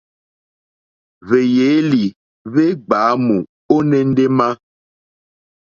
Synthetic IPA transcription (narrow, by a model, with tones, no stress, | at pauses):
ve˨je˨˦li˨ | βe˦ɡ͡baː˨˦mu˨ | o˦nɛ̃˦n̩˦de˦ma˦